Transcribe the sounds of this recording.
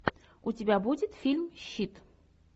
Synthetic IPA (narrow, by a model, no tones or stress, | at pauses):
ʊtʲɪbʲabudʲɪt̪fʲilʲmɕːit̪